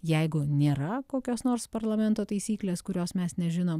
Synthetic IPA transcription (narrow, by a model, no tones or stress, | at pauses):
jɛɪɡʊnʲeːɾɐkoːkʲoːsnoːɾspɐɾlˠɐmʲɛnt̪oːt̪ɐɪsʲiːklʲeːskʊɾʲoːsmʲɛsnʲɛʒʲɪnoːm